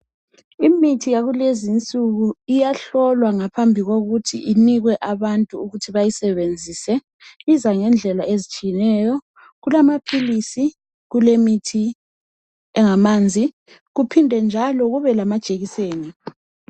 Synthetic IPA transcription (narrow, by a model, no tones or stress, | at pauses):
imitʰijaɣulezint͡sʼuɣuijaɬɔlwaŋapʰambʱiɣoɣutʰiʔiniɣwɛʔaβantʼuuɣutʰiβajisɛβend͡zʱisɛ | izaŋɛnd͡ɮʱɛlaezit͡ʃʼijɛnɛːjɔ | ɣulamapʰilisi | ɣulemitʰi | ɛŋamaːnd͡zʱi | ɣupʰindʱɛnd͡ʒʱalɔɣuβɛlamad̥ʒ̥ʱeɣiseːni